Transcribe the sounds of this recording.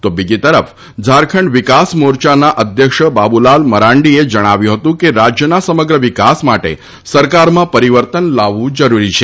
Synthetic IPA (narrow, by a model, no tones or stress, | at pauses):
t̪obid͡ʒit̪əɾəf | d͡ʒaɾkʰəɳɖʋikasmoɾt͡ʃanaʔəd̪ʱjəkʃəbabulalməɾaɳɖied͡ʒəɽ̃aʋjũɦət̪ũkeɾad͡ʒjənasəməɡɾəʋikasmaʈḛ | səɾkaɾmãpəɾiʋəɾt̪ənlaʋːũd͡ʒəɾuɾit͡ʃʰe